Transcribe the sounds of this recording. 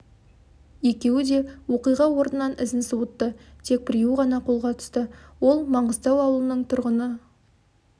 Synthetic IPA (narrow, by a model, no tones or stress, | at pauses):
e̞kʲe̞wɪd̪e̞wo̞qijʁɑwo̞ɾnənɑnʔɪzɪnsuwət̪ːət̪ʰe̞k̚pɪɾijuʁɑnɑqʰo̞lˠʁɑt̪ʰʏ̥st̪əwo̞lˠmɑɴʁəzt̪ɑwɑwəlˠənəɴt̪ʰʊɾʁənə